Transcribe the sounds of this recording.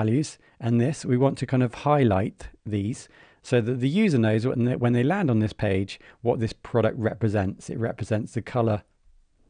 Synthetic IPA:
ljʉz̥ | ʔə̃nðɪswiwɒ̃ntʰəkʰãɪ̃ndəv̥haɪla̰ɪʔðiːz̥ | səʊðəʔ̪̚ðəjʉːzənəʊzwə̰̃nwə̃nðeɪlæ̃ndn̩ðɪspʰeɪd̥d͡ʒ̥wɒʔ̪̚ðɪspʰɹ̥ɒɾək̚t̚ɹɛpɹɨzɛ̃ntsɪ̰ʔ̚ɹɛ̰pɹɨzɛ̃ntsðɨkʰʌlə

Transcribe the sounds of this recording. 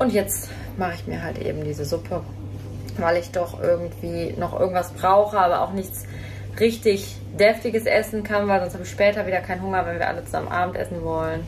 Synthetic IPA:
ʔʊntjɛt͡st | maχəɪçmiːɐɦaltʔḛːbm̩diːzəzʊpʰə | vaɪlɪçd̥ɔχʔɪ̰ɐɡŋ̩tv̥iːnɔχʔɪ̰ɐɡŋ̩tv̥asb̥ʁaʊxəaːbɐʔa̰ʊxnɪçt͡s | ʁɪçtɪç | d̥ɛftɪɡəsʔɛsn̩kʰanvaɪlzɔnsthabɪçʃpɛːtɐviːdɐkʰaɪnɦʊŋɐvɛnviːɐʔa̰lət͡suza̰mə̰nʔa̰ːbm̩tʔɛ̰sn̩vɔlən

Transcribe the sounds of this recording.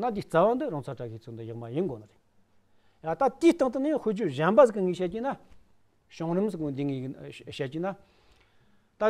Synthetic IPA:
nand̪iht͡sawand̪əraŋt͡sʰaʈ͡ʂaɡit͡sʰond̪əjaχmajənɡonaɾel | jat̪at̪iht̪aŋt̪ənjaŋχoɦd͡ʑoʑanpazəkːəŋiɕald͡ʑina | ɕoŋrəmsʰəkond̪iŋiɕalt͡ɕina | t̪a

